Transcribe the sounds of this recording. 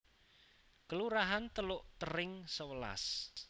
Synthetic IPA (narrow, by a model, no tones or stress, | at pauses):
kəluɾaɦant̪əlʊʔt̪əɾɪŋsəwəla̰s